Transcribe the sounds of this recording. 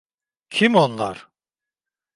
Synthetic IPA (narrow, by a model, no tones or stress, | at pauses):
cʰimonlˠa̰ɾ̥